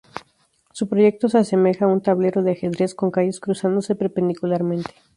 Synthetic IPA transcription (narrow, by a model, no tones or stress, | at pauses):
supɾo̞ʝe̞k̚t̪o̞sease̞me̞xaunt̪aβ̞le̞ɾo̞ðeaxeðɾe̞sko̞ŋkaʝe̞skɾusand̪o̞se̞pe̞ɾpe̞nd̪ikulaɾmẽ̞nt̪e̥